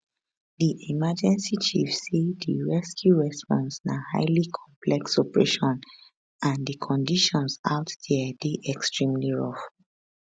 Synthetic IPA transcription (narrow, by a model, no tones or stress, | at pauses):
diʔimad͡ʒɛ̃nsit͡ʃifsediɹɛskʰjuɹɛspɔ̃nsnaha̰ɪlikʰɔ̃mpʰlɛksɔpɹeʃɔ̃n | ãndəkʰɔ̃ndiʃɔ̃nsa̰ʊtd̥ɛdeʔɛkstɹĩmliɹɔ̰f